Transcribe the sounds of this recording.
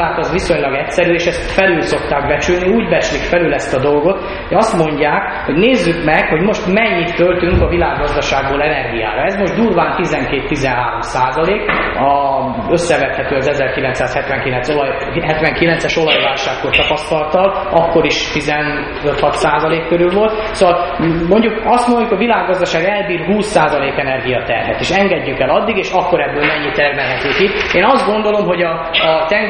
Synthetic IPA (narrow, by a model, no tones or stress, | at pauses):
aːt̪ɒzʋiso̞ɲlɒɡɛcsɛɾyeːʃɛst̪fɛlylso̞kt̪aːkbɛt͡ʃylniuːɟbɛt͡ʃlikfɛlylɛst̪ɒd̪o̞lɡo̞t̪ | ɒst̪mo̞ɲɟaːk | hoɟneːzːykmɛkho̞ɟmo̞ʃt̪mɛɲːit̪ːølt̪yŋkɒvilaːɡːɒzd̪ɒʃaːɡboːlɛnɛrɡija̰ːɾɒɛzmo̞ʒd̪uːrvaːnt̪izɛŋkeːt̪ːizɛnɦaːɾo̞msaːzɒleːkɒ | øsːɛvɛt̪hɛt̪øːɒzɛzɛrkilɛnt̪saːshɛt̪ʋɛŋkilɛnsoj | ɦɛt̪ʋɛŋkilɛnt̪sɛʃo̞lɒjvaːlʃaːkːort̪ɒpɒst̪ɒlɒt̪ɒl | ɒkːo̞ɾiʃt̪izɛn | øt̪hɒt̪saːzɒleːkːøɾylvo̞lt̪ | soɒlmo̞ɲɟukɒst̪monjukoʋilaːɡːɒzd̪ɒʃaːɡɛlbiːrɦuːsːaːzɒleːkɛnɛrɡijɒt̪ɛ̰rɦɛ̰t̪eːʃɛŋɡɛɟːykɛlɒd̪ːiɡeːʃɒkːo̞ɾɛbːøːlmɛɲːit̪ɛrmɛlɦɛt̪øːkieːnɒzd̪ɡo̞nd̪o̞lo̞mɦo̞ɟɒ | t̪ɛŋ